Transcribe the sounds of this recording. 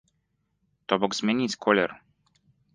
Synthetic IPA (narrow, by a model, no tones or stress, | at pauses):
t̪ɔbɔɡzmʲjenʲiskʰɔlʲɛr